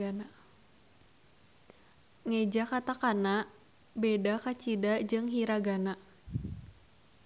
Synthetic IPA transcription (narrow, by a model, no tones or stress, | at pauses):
ana | ŋɛd͡ʒakat̪akana | bedakat͡ʃidad͡ʒɨŋɦiɾaɡana